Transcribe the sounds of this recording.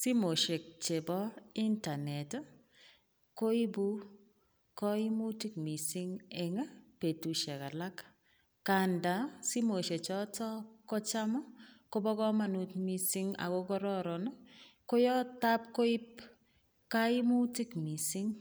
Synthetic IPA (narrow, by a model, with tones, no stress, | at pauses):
si˦mo˨ʃe˨k̚t͡ʃe˨bɔ˦i˦nta˨nɛ˨t | ko˦i˦bu˦ | kɔ˦i˦mu˦ti˦k̚mi˨si˦ŋɛ˨ŋa˦pe˨tu˨ʃe˨ka˨la˦k | ka˨nda˨si˦mo˨ʃe˨t͡ʃɔ˦tɔ˦kɔ˦t͡ʃa˦mɔ˦ko˦bɔ˦kɔ˦ma˦nu˨tmi˨si˦ŋa̰˨ko˦kɔ˦ɾɔ˦ɾɔ˨n˦ko˦jɔ˦ta˦p̚ko˦i˦p̚ | ka˦i˦mu˦ti˦kmi˨si˦ŋ